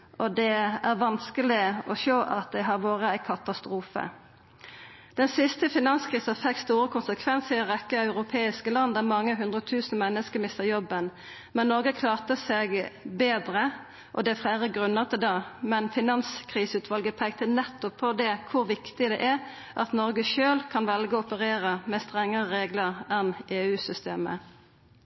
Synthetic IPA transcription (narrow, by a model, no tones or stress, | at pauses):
ʔɔd̪ɛæʁʋɑnskəlɪɔʃøːʔɑt̪̚d̪ɛɦɑʁʋoːʁəæɪkʰɑt̪ɑst̪ʁuːfə̰ | d̪̥ɛnsɪst̪əfɪnɑnskʰʁiːsɑfɛk̚t̪st̪uːʁəkʰʊnsəkʰʋɛnsəɔʁɛkːəɑʉʁʊpʰeːɪskəlɑnːd̪æmɑŋːəɦʉnd̪ʁəɔt̪ʰʉːsn̩mɛnːəskəmɪst̪əjɔbːən | mɛnːɔʁɡəkʰlɑːʁt̪əsɛɡbeːd̪ʁə | ʔɔ̰d̪ɛfʁæːʁəɡʁʉnːəʁt̪ʰɪd̪ɑmɛnfɪnɑnskʰʁiːsʉːt̪ʰʋɑlɡəpʰɛɡt̪ənɛt̪ːɔpʰːɔd̪ɛkʰʊʁʋɪkt̪ɪd̪ɛʔæʁ | ʔɑt̪nɔʁɡəʃøːlkʰɑnʋɛlɡəɔɔpəʁeːʁəmɛst̪ʁɛŋːəʁəʁeːɡləʁɛneːʉːsʏst̪ḛːmə̰